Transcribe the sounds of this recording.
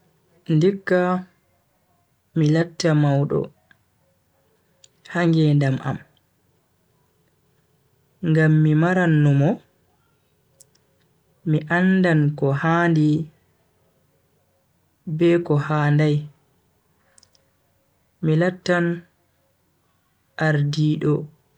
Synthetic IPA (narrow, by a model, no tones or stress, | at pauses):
ndikːa | milatːamawɗɔ̰ | haŋɡɛndamʔa̰m | ŋɡamːimaɾanːumɔ | miʔanːdankɔhandi | bɛkɔhaːndaj | milatːan | ʔaɾdiːɗɔ